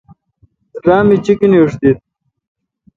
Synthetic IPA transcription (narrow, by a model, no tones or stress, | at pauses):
ɾaːmit͡ɕikiniʂd̪it̪̚